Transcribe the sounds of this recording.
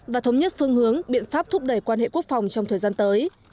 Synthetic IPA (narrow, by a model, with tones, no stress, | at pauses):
vaː˨˩t̪ʰə˨˦wɲə˦˥t̚fɨ˧əŋɦɨ˨˦əŋɓḭ˧˨ənfaː˦˥p̚t̪ʰʊ˦˥p̚ɗə˧˩jkwaː˧nɦḛ˧˨ku˦˥ək̚fa˨˩wŋ͡mt͡ɕɔ˧ŋ͡mt̪ʰəː˨˩jzaː˧nt̪əː˨˦j